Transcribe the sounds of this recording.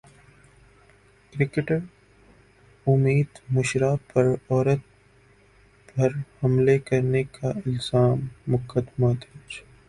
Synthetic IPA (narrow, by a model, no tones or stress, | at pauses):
kɾɪkeʈəɾ | ʊmiːd̪mʊʃɾapɐɾɔːɾət̪̚ | bʱɐɾhɐmlekɐɾnekʰaɪlz̥aːmːʊkʰəd̪mad̪eːt͡ʃ